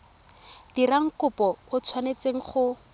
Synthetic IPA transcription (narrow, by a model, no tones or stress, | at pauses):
d̥iraŋ̩kʊpɔʊt͡sʰwanet͡seŋ̩χʊ